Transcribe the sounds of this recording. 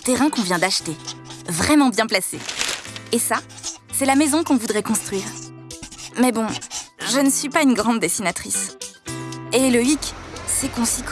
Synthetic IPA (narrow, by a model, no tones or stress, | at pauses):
t̪eʁɛ̃kɔ̃vjɛ̃d̪aʃt̪evʁɛmɑ̃bjɛ̃plaseː | sa | sɛlamezɔ̃kɔ̃vud̪ʁɛkɔ̃st̪χɥiːʁ | mɛbɔ̃ʒənsɥipaynɡʁɑ̃d̪ːesinat̪χis | eləiksɛkɔ̃sik